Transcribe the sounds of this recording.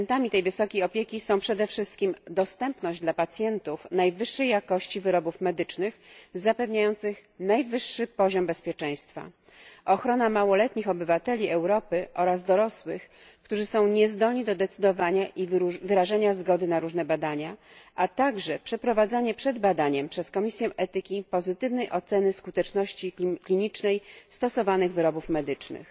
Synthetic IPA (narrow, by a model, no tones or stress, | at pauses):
nt̪amʲit̪ɛjvɘsɔkʲejɔpʲjekʲisɔ̃w̃pʂɛd̪ɛfʂɘst̪̚kʲimd̪ɔst̪ɛmpnɔ̃ʑd͡ʑd̪lapat̪sʲjɛnt̪ufnajvɘʂːɛjːakɔɕt͡ɕivɘɾɔbufmɛd̪ɘt͡ʂnɘxzapɛvɲajɔnt̪sɘxnajvɘʂːɘpɔʑɔmbɛspʲjɛt͡ʂɛ̃j̃st̪fa̰ | ʔɔxɾɔnamawɔlɛt̪ɲixɔbɘvat̪ɛlʲiɛwɾɔpɘʔɔɾazd̪ɔɾɔswɘx | kt̪uʐɘsɔ̃w̃ɲɛzd̪ɔlɲid̪ɔd̪ɛt̪sɘd̪ɔvaɲaʔivvɘɾaʐaɲazɡɔd̪ɘnaɾuʐnɛbad̪aɲa | ʔat̪aɡʐɛpʂɛpɾɔvad̪zaɲɛpʂɛd̪bad̪aɲɛmpʂɛskɔmʲisʲjɛʔɛt̪ɘkʲipɔzɘt̪ɘvnɛjʔɔt̪sɛnɘskut̪ɛt͡ʂnɔɕt͡ɕiklʲiɲit͡ʂnɛjst̪ɔsɔvanɘɣvɘɾɔbufmɛd̪ɘt͡ʂnɘ̰x